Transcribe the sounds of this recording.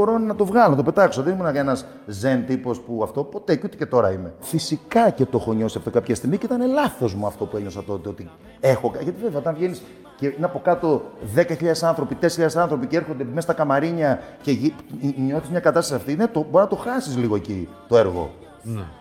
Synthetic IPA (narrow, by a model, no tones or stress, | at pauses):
boɾonɐt̪ovɣɐlonɐt̪ope̞t̪ɐkso̞ðenimunɐkɐenɐz | ze̞nt̪ipo̞spuɐft̪o̞po̞t̪e̞ut̪ece̞t̪o̞ɾɐ̰imefisikɐce̞t̪ooxo̞ɲo̞siɐft̪o̞kɐpçɐst̪iɣmiceit̪ɐne̞lɐθo̞zmuɐft̪o̞pueɲo̞sɐt̪o̞t̪eo̞t̪i | e̞xo̞kɐʝɐt̪iveveɐot̪ɐɱvʝe̞nis | cenɐpo̞kɐt̪o̞ðe̞kɐçiʎɐðesɐnθɾo̞pit̪esçiʎɐðesɐnθɾo̞piceeɾxond̪e̞mest̪ɐkɐmɐɾiɲɐce̞iɲo̞θizmɲɐkɐt̪ɐst̪sɐft̪inet̪oboɾinɐt̪oxɐsizliɣoe̞ci | t̪o̞e̞ɾɣo̰ | n